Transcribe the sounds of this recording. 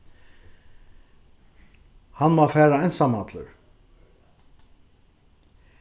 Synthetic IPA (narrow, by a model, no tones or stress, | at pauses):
hanmɔːfæːɹaɛnsamat̪lə̰ɾ